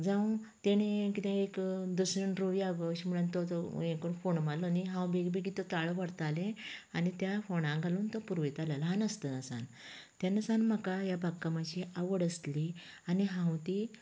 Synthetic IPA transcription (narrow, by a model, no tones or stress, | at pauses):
d͡zãwt̪eɽ̃ekit̪ẽekd̪əsəɳɖɾoʋiaɡəɕmuɭant̪ɔẽkoɳfoɳmalɔniɦãwbeɡbeɡit̪ɔt̪aɭʋəɽt̪alẽanit̪jafoɽ̃ãɡʱaluːnt̪ɔpuɾʋet̪aləlɦãnəst̪ənəsa̰nt̪janəsanməkajabʱakːamaɕiʔaʋəɽəst̪li | aniɦãwt̪i